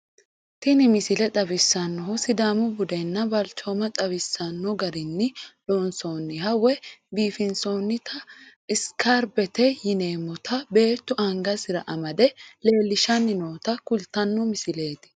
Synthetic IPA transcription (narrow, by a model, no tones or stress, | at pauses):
t̪ɪnɪmɪsɪlɛt̪ʼɐbɪsːɐnːɔhʊsɪd̪aːmʊbʊd̪ɛnːɐbɐlt͡ʃomɐt̪ʼɐbɪsːɐnːɔɡɐɾɪnːɪloːnsoːnːɪhɐwɛbiːfɪnsoːnːɪt̪ʰɐɪskʰaɾbɛt̪ɛjɪneːmːɔt̪ʰɐbe̞ːt̪ːʊʔɐŋɡɐsɪɾɐʔɐmɐd̪ɛle̞ːlːɪʃɐnːɪnoːt̪ɐkʊlt̪ːɐnːɔmɪsɪle̞ːt̪ɪ̥